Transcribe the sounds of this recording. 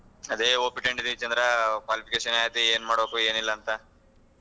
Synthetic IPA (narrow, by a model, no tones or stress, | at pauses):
ɐd̪eːoːpiʈeɳɖid̪it͡ʃɐnd̪ɾɐkʋaːlipʰikeːʂɐnaːjt̪eeːnmaːɽbokue̞ːnilːɐːnt̪ɐ